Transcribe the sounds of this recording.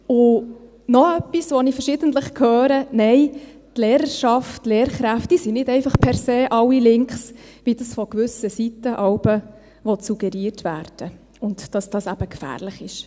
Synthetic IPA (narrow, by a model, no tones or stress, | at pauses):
ʊ | nɔœpːisʋɔnifəɾʃɪːdəntləχkʰhøːɾənɛɪ | tleːɾəɾʃɑftleːɾχɾæftd̥iːsinɪdɛɪfɑχpʰɛɾseːʔɑwilɪŋkχsʋidɑsfɔkʋʏsəsitəʔɑwb̥ə | ʋɔsuɡ̥ɛɾiːrtʋæːɾd̥ə | ʊntd̥ɑsd̥ɑsæb̥əkfæ̰ːrləχɪʃ